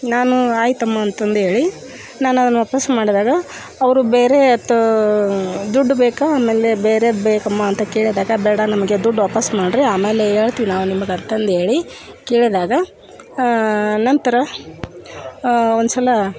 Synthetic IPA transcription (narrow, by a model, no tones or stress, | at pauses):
naːnuaːjit̪ɐmːɐːnt̪ɐnd̪uɦe̞ːɭi | naːnuɐd̪ɐnːuʋaːpɐsmaːɽid̪aːɡɐ | ɐʋɐɾubeːɾeɐt̪ːɐ | d̪uɖːubeːkɐaːmeːlebeːɾebeːkɐmːɐːnt̪ɐkeːɭid̪aːɡɐbɛːɽɐnɐmɐɡe̞d̪uɖːʋaːpɐsmaːɽɾiaːmeːle̞ɦeːɭt̪iːʋinaːʋunimɐɡɐɾt̪ɐnd̪ɦe̞ːɭi | keːɭid̪aːɡɐ | nɐnt̪ɐɾɐ | ond̪usɐlɐ